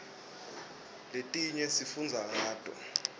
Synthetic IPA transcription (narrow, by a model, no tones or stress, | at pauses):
letʼiɲɛsifund͡zʱaŋaːtʼɔ̰